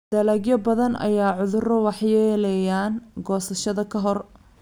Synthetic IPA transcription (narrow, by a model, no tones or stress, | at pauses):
d̪̥ɐlɐɡjɐbɐðɐnʔɐ̰jaːʕʊðʊrɐwɑħjɛːlɛjaːnɡɔːsɐʃɐðɐkʰɐɦɔr